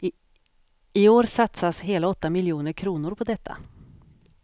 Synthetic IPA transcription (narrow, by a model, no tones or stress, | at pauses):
ɪoːɾsat̪sasɦeːlaɔt̪ːamɪljuːnəɾkʰɾuːnʊɾpʰɔd̪ɛt̪ʰːa̰